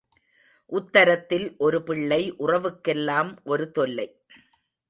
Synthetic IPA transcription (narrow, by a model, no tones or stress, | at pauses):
ʔʊt̪ːɐɾɐt̪ːɪlʔɔɾɯpɪɭːɐɪʔʊrɐʋɯkːɛlːaːmʔɔɾɯt̪ɔlːɐɪ